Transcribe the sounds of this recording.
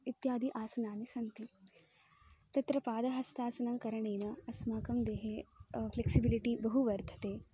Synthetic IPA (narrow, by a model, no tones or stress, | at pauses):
it̪jaːd̪iʔaːsɐnaːnisɐnt̪i | t̪ɐt̪ɾɐpaːd̪ɐɦɐst̪ʰaːsɐnɐmkɐɾɐɳeːnɐɐsmaːkɐmd̪eːɦefleksibiliʈibɐɦuʋɐɾt̪ʰɐ̥t̪eː